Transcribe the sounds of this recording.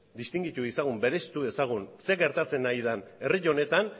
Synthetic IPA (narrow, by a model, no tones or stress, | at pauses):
d̪ist̪iŋɡit̪uisaɣ̞umbe̞ɾe̞st̪ue̞saɣ̞unse̞ɣe̞ɾt̪at͡se̞najð̞ane̞riʎo̞ne̞t̪an